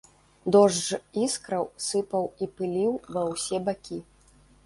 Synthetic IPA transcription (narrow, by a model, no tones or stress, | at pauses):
d̪ɔʐʐiskɾɐwsɨpɐwipɨlʲiwvɐwsʲɛbakʲi